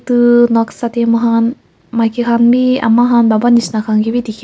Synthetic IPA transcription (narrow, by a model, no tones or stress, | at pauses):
t̪ɯnɔksat̪emɯɦan | makikanbia̰mːaɦanbabanisinakaŋɡibid̪ikʲ